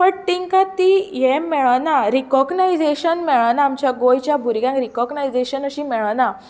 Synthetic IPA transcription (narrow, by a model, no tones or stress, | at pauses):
pəɳʈ̪iŋkat̪ijɛmeɭnaɾikɔɡnajd͡zeɕənmeɭnaːmt͡ɕjaɡojt͡ɕjabʱuɾɡjãŋkɾikɔɡnajd͡zeɕənəɕimɛɭna